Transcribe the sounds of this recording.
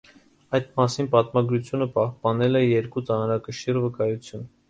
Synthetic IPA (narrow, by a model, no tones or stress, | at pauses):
ɑjd̪mɑsinpɑt̪mɑɡɾut͡sʰjunəpɑhpɑnɛlɛjɛɾkut͡sɑnɾɑkəʃirvəkɑjut͡sʰjun